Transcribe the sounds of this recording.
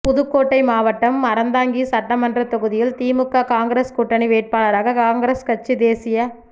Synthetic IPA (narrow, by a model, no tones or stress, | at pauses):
pʊðɯkːoːʈːɐɪmaːʋɐʈːɐmːɐɾɐnd̪aːŋɡisɐʈːɐmɐndrɐt̪ɔɣɯðɪjɪlt̪iːmɯkːɐkaːŋɡɾeskʊʈːɐɳiʋeːʈ̚paːlɐɾaːɣɐkaːŋɡɾeskɐt͡ʃːid̪eːsɪjɐ